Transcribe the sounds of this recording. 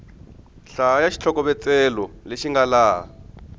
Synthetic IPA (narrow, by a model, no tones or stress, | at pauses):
ɬajaʃi̥t͡ɬʰɔkɔβɛt͡sɛlɔleʃiŋɡalaː